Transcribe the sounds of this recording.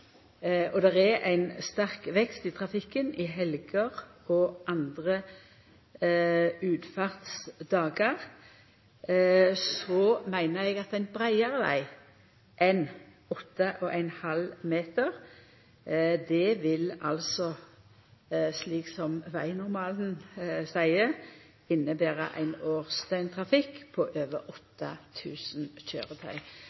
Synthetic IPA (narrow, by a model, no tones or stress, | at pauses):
ɔd̪ɛʁɛʔæɪnst̪ɑʁkʋɛkst̪it̪ʰʁɑfɪkːənɪɦɛlɡəʁɔʔɑnd̪ʁə | ʉːd̪fɑʁt̪sd̪ɑːɡəʁ | sɔmæɪnəɾɛɡɑt̪æɪnbɾæɪəʁəʋæ̰ɪ | ʔɛn | ɔt̪ːəʔɔʔæɪnhɑlmeːt̪əʁ | d̪ɛʋɪlɑlsɔ | sliːksɔmʋæɪnʊʁmɑːln̩sæɪə | ɪnːəbeːʁə̰ʔæ̰ɪnoːʁst̪œɪnt̪ʰʁɑfɪkːpʰɔʔøːʋəɾɔt̪ːɑt̪ʰʉːsn̩çø̰ːʁət̪ʰœ̰ʏ